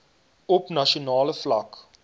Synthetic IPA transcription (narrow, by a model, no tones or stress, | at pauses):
ɔpnɐʃionɑːləflɐk